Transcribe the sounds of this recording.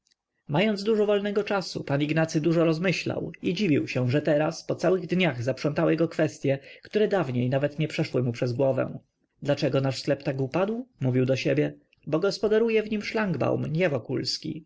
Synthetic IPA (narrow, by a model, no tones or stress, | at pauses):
majɔnd̪zd̪uʐɔvɔlnɛɡɔt͡ʂasṵpaniɡnat̪sɘd̪uʐɔɾɔzmɘɕla̰wid͡ʑivʲiwɕɛ̃ʐɛt̪ɛɾaspɔt̪sawɘɣd̪ɲaɣzapʂɔnt̪awɪjɛɡɔkfɛst̪ʲjɛkt̪uɾɛd̪avɲejnavɛt̪ɲɛpʂɛʂwɘmupʂɛzɡwɔvɛ̰̃w̃ | d̪lat͡ʂɛɡɔnaʂsklɛpt̪aɡupad̪wmuvʲiwd̪ɔɕebʲjɛ | bɔɡɔspɔd̪aɾujɛvɲimʂlaŋɡba̰wmɲɛvɔkulskʲḭ